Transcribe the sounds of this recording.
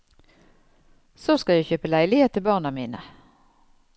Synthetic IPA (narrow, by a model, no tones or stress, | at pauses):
soːskɑjæɪçøːpəlæɪlɪheːt̪ʰːɪbɑːʁnɑmḭːnə